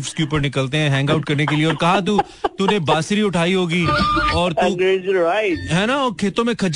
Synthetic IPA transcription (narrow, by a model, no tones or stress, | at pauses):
fskeuːpəɾnɪkəlt̪eɦɛ̃ɦɛ̃ːŋɡaʊʈ̚kɐɾnekelieɔːɾkɐɦat̪̬u | t̪unebaːsɾiʊʈʰaːiɦoːɡiːɔːɾt̪uɡɾed͡ʒɾaɪɦɛːnaɔːɾkʰeːt̪õmẽkʰɐd͡ʒ